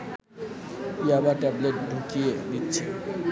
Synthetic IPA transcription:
iabaʈɛbleʈ̚ɖʱukied̪itːɕʰe

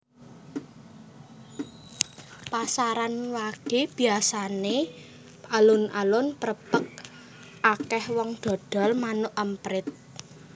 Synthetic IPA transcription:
pasaɾanwaɡ̥e̤b̥i̤asane | ʔalʊnʔalʊnpəɾəpək̚ | akɛhwɔŋd̪̥ɔ̤d̪̥ɔ̤lmanʊʔəmpɾɪt̪̚

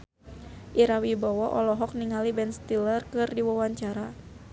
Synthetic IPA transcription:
ʔiɾawibɔwɔʔɔlɔɦɔk̚niŋalibɛnst̪ilərkɨrdiwawaɲt͡ʃaɾa

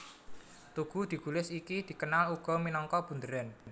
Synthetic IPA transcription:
t̪uɡ̥ṳd̪̥i̤ɡ̥ṳlɪsikid̪̥i̤kənaluɡ̥ɔ̤minɔŋkɔb̥ṳnd̪əɾɛn

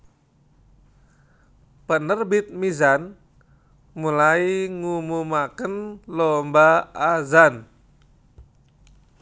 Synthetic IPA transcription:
pənərbit̪̚mizan | mulaiŋumumakənlɔmbaazan

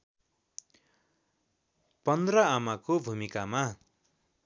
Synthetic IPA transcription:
pʌnd̪rʌamakobʱumikama

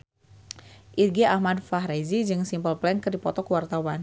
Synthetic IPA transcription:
ʔirɡiʔahmadfaɦɾezid͡ʒɨŋsimpəlplɛŋkɨrdipɔt̪ɔkwart̪awan

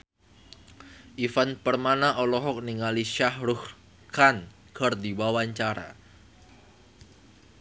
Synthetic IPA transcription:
ʔifanpərmanaʔɔlɔɦɔk̚niŋaliʃahɾuh | kan | kərdiwawaɲt͡ʃaɾa̰

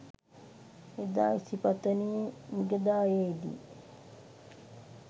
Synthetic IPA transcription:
ed̪a̰ːisipat̪ənijemiɡəd̪aːjeid̪ḭ

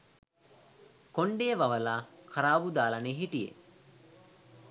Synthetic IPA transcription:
koɳɖejːʋaʋəlaːkʰaɾaːbud̪aːlaneːɦiʈijḛ

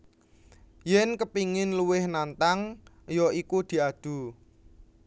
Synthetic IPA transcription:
jɛnkəpiŋɪnluwɪhnant̪aŋ | jɔikud̪̥i̤ad̪̥ṳ

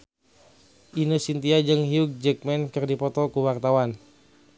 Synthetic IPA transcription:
ʔinosint̪iad͡ʒɨŋɦiuk̚d͡ʒɛk̚mɛnkɨrdipɔt̪ɔkuwart̪awan

